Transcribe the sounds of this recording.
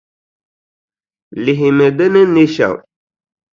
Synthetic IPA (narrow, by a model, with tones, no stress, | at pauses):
lɪ˨ɦi˨mɨ˨dɨ˦nɨ˦ne˦ʃa̰˨ŋ